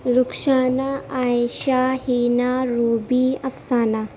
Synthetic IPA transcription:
ɾukʂaːnaajʃahiːnaɾuːbiɐpsaːna

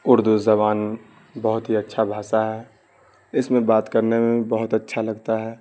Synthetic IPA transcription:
ʊɾd̪uzɐβaːn | bɐɦʊt̪ɦiɐtːʃʰabʱaːsaɦɛː | ɪsmẽbaːt̪kəɾnemẽbɐɦʊt̪ətːʃʰalɐɡt̪aɦɛː

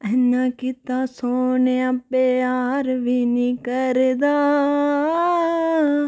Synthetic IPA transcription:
ɐnãkɪt̪aːsoːneãːpeaːɾʋinĩkəɾd̪aː

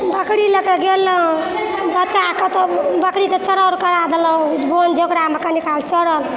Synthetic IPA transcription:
bəkɽiləkeɡelːə | bətːt͡ʃakət̪ɔbəkɽiket͡ʃəɽəlkəɽad̪elɔɡond͡ʒokɾamekənikʰalt͡ʃəɽəl

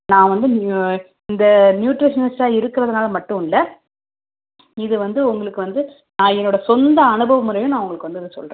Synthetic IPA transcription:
nãːʋɐnd̪ɯn | ɪnd̪ɐnjuːʈɾɪʂɐnɐsʈaːɪɾɯkːɪɾɐðɐnaːlɐmɐʈːɯ̃ɪlːɐ | ɪðɯʋɐnd̪ɯʊŋɡɐɭɯkːɯʋɐnd̪ɯ | nãːɛnːoːɽɐsɔnd̪ɐːnɯbɐʋɐmʊɯɾɐjʊ̃nãːʊŋɡɐɭɯkːɯʋɐnd̪ɯɪðɯsɔ̰lrẽː

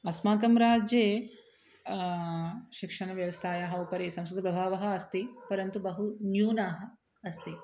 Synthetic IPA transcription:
ɐsmaːkɐmɾaːd͡ʒjeː | ʃikʂɐnɐʋjɐʋɐst̪ʰaːjaːɦɐupɐɾeːsɐ̃mskɾud̪ɐpɾɐbʱaːʋɐɦɐ̆ːst̪ipɐɾɐnt̪ubɐɦunjuːnaːɦɐ̆ | ɐst̪i

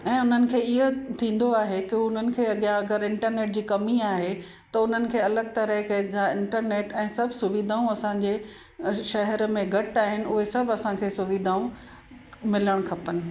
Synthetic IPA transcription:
ɛ̃ːʊn̤ənɪ̆kʰeːɪɦot̪ʰĩːn̆d̪oaːɦekɪʊn̤ənɪ̆kʰeːɐɠijãɐɡəɾɪ̃ɳʈəɾneːʈ̚d͡ʑiːkɐmiaːɦe | t̪ɐʊn̤ənɪ̆kʰeːɐləɡ̚t̪ɐɾəɦkɐd͡ʑaɪ̃ɳʈəɾneːʈɛ̃ːsɐbʱsʊʋiːd̪ʱaːũɐsãɲd͡ʑe | ʃɐɦɛɾmẽɡʱɐʈaːɦɪnɪ̆ʊɦesɐbʱɐsãkʰeːsʊʋid̪ʱaːũ | mɪləɽ̃kʰɐpənɪ̆

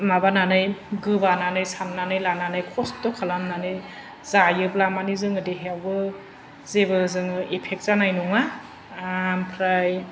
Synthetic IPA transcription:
mabananɯjɡɯbananɯjsamnanɯjlananɯjkʰɔstɔkʰalamnanɯ | zajɯblamanizɯŋɯdiɦewbɯ | zebɯzɯŋɯepʰek̚t̚zanajnuŋa | mpʰɾaj

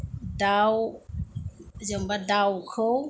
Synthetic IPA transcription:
daw | zəmbadawkʰəw

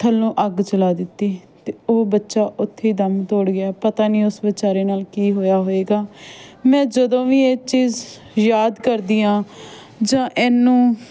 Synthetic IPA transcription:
t̪ʰəlõːʔəɡt͡ʃəlaːd̪ɪt̪ːiːt̪eːoːbətːʃaːʔʊt̪ʰːeːiːd̪əmt̪oːɽɡɪaːpət̪aːnĩːʊsʋət͡ʃaːɾeːnaːlkiːɦoːjaːɦoːeːɡaːmɛ̃ːd͡ʒəd̪õːʋiːeːt͡ʃiːz | jaːd̪kəɾd̪iːãː | d͡ʒãːʔɛnːũː

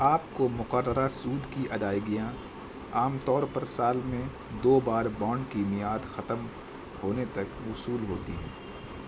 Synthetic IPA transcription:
aːp̚komʊqəɾːəɾasuːd̪kiʔɐd̪aːjɡɪjã | aːmt̪ɔːɾpɐɾsaːlmẽ | d̪oːbaːɾbãːɳɖkimɪjaːd̪xɐt̪əm | hoːnet̪ɐkʊsuːlɦoːt̪ḭɦɛ̰̃ː

